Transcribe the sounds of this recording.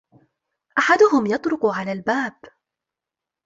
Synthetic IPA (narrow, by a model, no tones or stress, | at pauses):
ʔaħad̪ʊɦʊmjɑt̪ˤɾʊquʕalaːlbaːb